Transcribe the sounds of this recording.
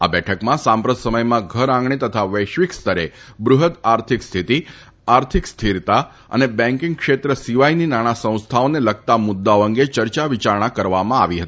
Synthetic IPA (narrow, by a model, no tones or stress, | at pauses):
a̰bɛʈʰəkmãsãmpɾət̪səməjmãɡʱəɾãŋɡɳet̪ət̪ʰaʋəjʃʋikst̪ʰəɾebɾʊɦəd̪aɾt̪ʰikst̪ʰit̪i | aɾt̪ʰikst̪ʰiɾt̪a | ə̰nebɛ̃ŋkɪ̃ŋɡkʃet̪ɾəsiʋajninaɽ̃asə̃w̃st̪ʰaoneləɡ̚t̪amʊd̪ːaoə̃ŋɡet͡ʃəɾt͡ʃaʋit͡ʃaɾɳ̃akəɾʋamãaʋiɦət̪i̥